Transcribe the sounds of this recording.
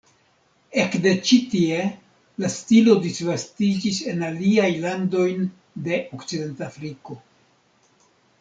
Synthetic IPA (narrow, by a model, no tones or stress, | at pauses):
e̞kde̞t͡ʃitie̞ | lastilo̞disvastid͡ʒise̞naliajlando̞jn | de̞ʔokt͡side̞ntafɾiko̞